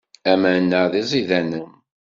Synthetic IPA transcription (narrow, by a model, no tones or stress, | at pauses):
æmænːəðizˤiðænəm